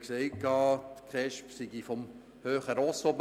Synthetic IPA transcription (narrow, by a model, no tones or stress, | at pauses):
kseɪkʰːɑːt̪kʰʁɛʃpsiɡifɔm | høːχəɾɔsob